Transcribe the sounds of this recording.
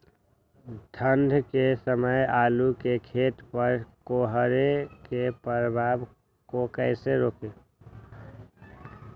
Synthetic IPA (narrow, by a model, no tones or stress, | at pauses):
d̪ʱənd̪ʱkesəməjaːlukekʰeːt̪pəɾkoɦɾekepəɾəbʱaːb | kokəɪseɾoːke